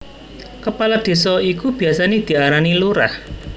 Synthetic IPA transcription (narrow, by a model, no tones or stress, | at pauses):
kəpalad̪̥e̤sɔikub̥i̤asaned̪̥i̤aɾaniluɾa̰h